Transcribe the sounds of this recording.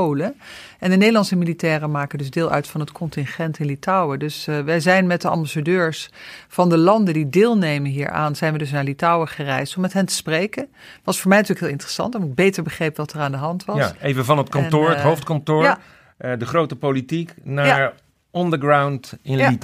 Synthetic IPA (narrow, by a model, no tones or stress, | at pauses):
owləʔɛndənejdəlɑnsəmilitɛːrəmaːkəndɵzdɪːlˠʔœ̰ɥtfɑnɦətkʰɔntɪnχɛntɪnlitɑwədɵsʋɛjzɛjnmɛt̚dəɑ̰mbasadøːɹsfɑndəlɑndəndidɪːlˠnejmənɦiːɹʔa̰ːnz̥ɛjnʋədɵs̬naːɹlitɔwəχərɛjstɔmɛtɦɛntə̥sprejkən | ʋɑsfʊːɹmɛjnətyːəkɦeːlˠɪntər̥əsɑ̰ntɛnɪɡ̚bejtəɹbəχrejpʋɑtəraːndəɦɑntʋɑsejvəvɑnətkɑntʊːɹətɦowftkɑntʊːɹ | dəχrowtəpolitiknaɹ | ɔndəɹɡrawntɪni